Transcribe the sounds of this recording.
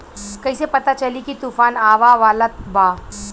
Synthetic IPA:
kəisepət̪at͡ʃəlikit̪ufaːnaʋaʋalat̪̚ba

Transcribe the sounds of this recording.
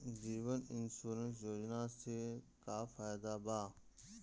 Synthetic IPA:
ziːʋənɪnsuːɾəns̬joːd͡ʒnaːst̪eːkaːfaːjd̪abaː

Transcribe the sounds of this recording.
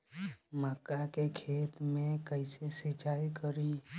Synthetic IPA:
məkakekʰet̪mẽkəɪsesit͡ʃaikəɾi

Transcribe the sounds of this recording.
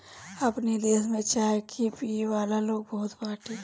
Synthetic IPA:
ɐpnid̪eːsmẽt͡ʃaːekʰipiːʋaːlaloːɡ̚bɐɦʊt̪baːʈʰe

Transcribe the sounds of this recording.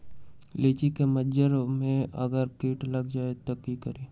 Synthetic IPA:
leːt͡ʃikemɐd͡ʒəɾmẽɐ̰ɡəɾkiːʈlɐɡd͡ʒaːet̪okikəɾeː

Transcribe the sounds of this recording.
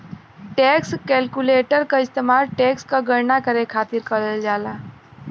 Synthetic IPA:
ʈɛkskɛlkuleʈəɾkaist̪emaɾʈɛkskaɡəɾnakəɾekʰat̪iɾkəɾəld͡ʒala

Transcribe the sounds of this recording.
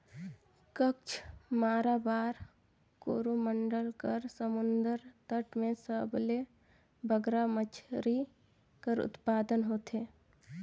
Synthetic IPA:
kəkt͡ʃʰmaːɾabaːɾ | koːɾuməɳɖəlkəɾsəmʊnd̪əɾt̪əʈmẽsəble | bʱəɡɾamət͡ʃʰɾi | kəɾʊ̰t̪paːd̪ənɦoːt̪eː

